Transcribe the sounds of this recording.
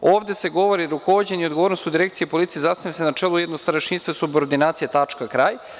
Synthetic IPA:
o̞ːvd̪e̞se̞ɡo̞ʋoɾiɾuko̞ʋod͡ʑeniod̪ɡo̞ʋoɾnost̪ud̪iɾe̞kt̪sijepolˠit̪siezasnavʲasenat͡ʃelˠujed̪nost̪aɾeʃinst̪vosuboɾd̪inaːt̪sijet̪at͡ʂkakɾaːj

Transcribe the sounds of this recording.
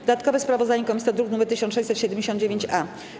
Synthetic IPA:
d̪ɔd̪at̪kɔvɛspɾavɔzd̪aɲɛkɔmʲisʲɔd̪ɾuknumɛɾt̪ɘɕɔnt̪ʂɛjɕt͡ɕ̪ʲsɛt̪ɕɛd̪ɛmd͡ʑeɕɔ̃nd̪d͡ʑevʲjeɲt͡ɕa

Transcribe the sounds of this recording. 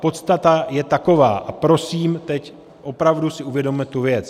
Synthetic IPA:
po̞t̪st̪at̪ajɛt̪ako̞vaːʔapɾo̞siːmt̪ɛc | ʔo̞pɾavdusɪuvjɛdo̞mmɛt̪uvjɛt͡s

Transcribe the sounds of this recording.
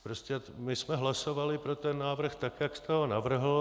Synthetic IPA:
pɾoscɛmɪsmɛɦlasovalɪpɾot̪ɛnːaːvr̩xt̪akjakst̪ɛɦonavr̩ɦl̩

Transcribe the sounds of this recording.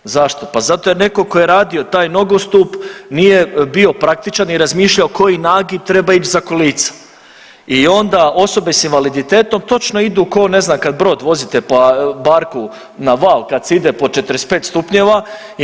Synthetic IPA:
zaʃt̪o̞pazat̪ojene̞ko̞ko̞jeɾaːd̪io̞t̪aːjno̞ɡost̪upnije̞bio̞pɾak̚t̪it͡ʃaniɾazmiːʃʎaoko̞jinaːɡit̪ɾe̞bait͡ʃzakoliːt̪sḁ | io̞nd̪ao̞so̞besinʋalid̪it̪e̞ːt̪o̞mt̪o̞t͡ʃno̞id̪uːko̞ne̞znamkad̪̚bɾo̞ːd̪ʋo̞zit̪epabaɾku | naʋaːlˠkad̪seid̪epo̞t͡ʃet̪ɾespe̞ːt̪st̪upɲeʋa

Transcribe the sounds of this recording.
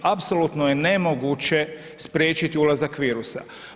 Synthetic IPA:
apsolut̪noje̞ne̞mo̞ɡut͡ɕe̞ | spɾʲje̞ːt͡ɕit̪iulazakʋiːɾusa̰

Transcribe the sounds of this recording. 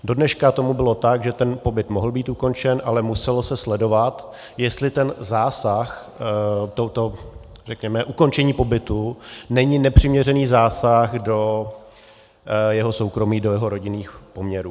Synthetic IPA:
do̞dnɛʃkat̪o̞mubɪlo̞t̪aɡʒɛt̪ɛnpo̞bɪt̪mo̞ɦl̩biːt̪uko̞nt͡ʃɛnʔalɛmusɛlo̞sɛslɛdo̞vat̪ | jɛst̪lɪt̪ɛnzaːsax | t̪owt̪o | rɛkɲɛmɛʔuko̞nt͡ʃɛɲiːpo̞bɪt̪unɛɲɪnɛpr̥ɪmɲɛrɛniːzaːsaxdo̞ | jɛɦo̞so̞wkɾo̞miːdo̞jɛɦo̞ɾo̞ɟɪniːxpo̞mɲɛɾuː

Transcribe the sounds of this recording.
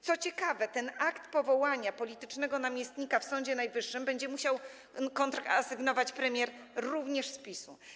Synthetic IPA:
t̪sɔt͡ɕɛkavɛt̪ɛnakt̪pɔvɔwaɲapɔlʲit̪ɘt͡ʂnɛɡɔnamʲjɛst̪ɲikafsɔɲd͡ʑɛnajvɘʂːɘmbɛɲd͡ʑɛmuɕaw | kɔnt̪ɾaa̰sɘɡnɔvat͡ɕpɾɛmʲjɛɾɾuvɲɛʂspʲisṵ

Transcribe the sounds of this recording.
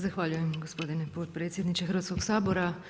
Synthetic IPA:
zaxʋaːʎujemɡospo̞d̪inepo̞t̪pɾe̞ːt̪sjed̪nit͡ʃexɾʋaːt̪sko̞ksaːbo̞ɾa

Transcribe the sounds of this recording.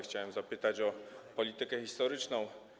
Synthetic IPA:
xt͡ɕawɛmzapɘt̪at͡ɕɔpɔlʲit̪ɘkɛxʲist̪ɔɾɘt͡ʂnɔ̃w̃

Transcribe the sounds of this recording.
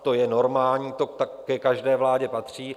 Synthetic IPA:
t̪o̞jɛno̞ɾmaːlɲiːt̪ot̪akkɛkaʒdɛːvlaːɟɛpat̪r̝̥iː

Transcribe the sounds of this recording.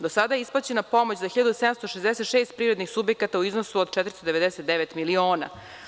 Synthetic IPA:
d̪osad̪ajeisplˠat͡ɕenapo̞mot͡ɕzaxiʎad̪usɛd̪amst̪oʃezd̪eset̪ʃeːst̪̚pɾivɾed̪nixsubjekat̪auiznosuod̪t͡ʃɛt̪ɾist̪od̪eed̪ɛset̪̚d̪eʋet̪milioːna̰

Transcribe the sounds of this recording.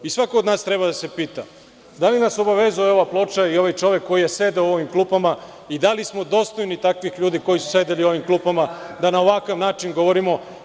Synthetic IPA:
isʋakoːd̪naːst̪ɾe̞βad̪ase̞piːt̪a̰ | d̪alinaso̞baʋezujeo̞ʋaplˠo̞t͡ʃaio̞ʋajt͡ʃo̞ʋjekːo̞jijese̞d̪eoo̞ʋimklˠuːpama | id̪alismo̞d̪o̞ːst̪o̞jnit̪akʋixʎuːd̪iko̞jisu̥se̞d̪elio̞ʋimklˠuːpamad̪anaoʋakaʋnaːt͡ʃinɡo̞ʋo̞ɾimo̞

